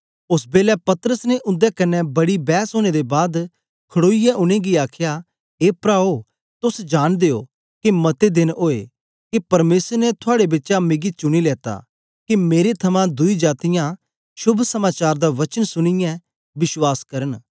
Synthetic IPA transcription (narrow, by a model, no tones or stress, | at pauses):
ʊsbeːlɛpɐt̪əɾəsneʔʊ̃nd̪ɛkɐnːɛ̃bɐɽibɛːsɦoːñed̪ebaːd̪ | kʰɐɽoːijɛʔʊñẽɡiaːkʰja | eːpɾaːo | t̪ʊsd͡ʒaːɽ̃d̪eːo̰ː | kimɐt̪ed̪ɪnoːḛ | kipɐɾmeːsəɾnet̪ʰʊaːɽebɪːʃamɪɡit͡ʃʊɽ̃ilɛːt̪a̰ | kimeːɾet̪ʰɐmãd̪ʊid͡ʒaːt̪ɪjã | ʃʊbʱsɐmaːt͡ʃaːɾd̪aʋɐt͡ʃənsʊɽ̃ɪjɛ̃ | bɪswaːskɐɾən